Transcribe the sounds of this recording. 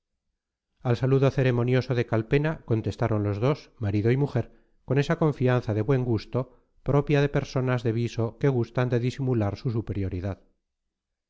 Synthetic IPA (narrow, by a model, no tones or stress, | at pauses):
alsaluðo̞θe̞ɾe̞mo̞njo̞so̞ðe̞kalpe̞nako̞nt̪e̞st̪aɾo̞nlo̞zðo̞smaɾiðoimuxe̞ɾ | ko̞ne̞sako̞ɱfianθaðe̞βwe̞ŋɡust̪o̞ | pɾo̞pjað̞e̞pe̞ɾso̞nazðe̞β̞iso̞ke̞ɣust̪and̪eðisimulaɾsus̬upe̞ɾjo̞ɾiðað